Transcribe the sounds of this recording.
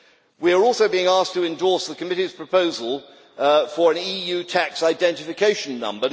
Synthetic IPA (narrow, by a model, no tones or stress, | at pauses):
wiə˞ɔˑlˠsəʊbiɪ̃ŋɑˑs̚tʰəɪ̃ndɔˑsðəkʰəmɪɾiz̥pʰɹ̥əpʰəʊzəlˠ | fə˞ɨ̃nijʉtʰæksaɪdɛ̃ntɨfɨkʰeɪʃə̃nːʌ̰̃mbə